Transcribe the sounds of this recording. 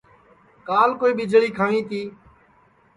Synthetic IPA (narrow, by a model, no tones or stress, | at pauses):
kaːlkoːiːɓɪd͡ʒɭiːkʰaːʋĩːt̪ʰiː